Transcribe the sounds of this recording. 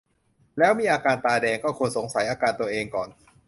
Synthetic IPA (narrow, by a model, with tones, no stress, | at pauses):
lɛː˦˥wmiː˧ʔaː˧kaː˧nt̪aː˧dɛː˧ŋkɔː˥˩kʰu˧nso˩˦ŋsa˩˦jʔaː˧kaː˧nt̪u˧ɐʔeː˧ŋkɔ̰ː˨˩n